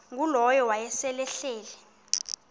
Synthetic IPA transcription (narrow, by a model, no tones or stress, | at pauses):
ŋɡulɔjɔwajɛsɛlɛɬɛːlɛ